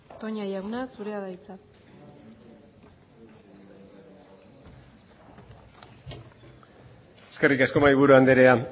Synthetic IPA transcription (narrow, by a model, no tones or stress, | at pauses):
t̪o̞ɲajawnasuɾe̞aðajt͡sa | eske̞rikesko̞maiβuɾuand̪eɾea